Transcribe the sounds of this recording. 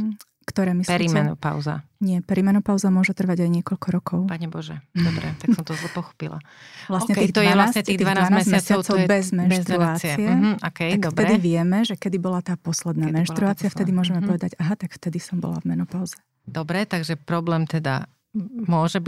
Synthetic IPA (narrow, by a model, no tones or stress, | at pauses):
kt̪ɔɾɛːmisɾimɛnɔ̰pa̰ʊza̰ɲɪɛpɛɾimɛnɔpaʊzamʊɔʒɛt̪r̩ʋaɟajɲɪɛkɔʎkɔɾɔkʰɔʊpaɲɛbɔʒɛ̰d̪ɔbɾɛ̰t̪aksɔmt̪ɔzlɛpɔxɔ̥pila̰ | ʋlaɲɛiːɣd̪ɛalasɲɛt̪iːɣd̪iananamːmɪast͡saʊt͡sɔʊbɛzmɛnʃt̪ɾɾuaːt͡st͡siɛɔkɛj̪ak̪ftɛd̪iʋɪɛmɛʒɛkɛd̪ibɔlat̪aːpɔslɛd̪naːmɛnʃt̪ɾuaːt͡siaft̪ɛd̪imʊɔʒɛmɛpɔʋɛd̪aɟaɦat̪akft̪ɛd̪isɔmbɔ̰la̰vmɛnɔpaʊzɛ | d̪ɔbɾɛt̪aɡʒɛpɾɔblɛːmt̪ɛd̪a̰ | mʊɔʒɛb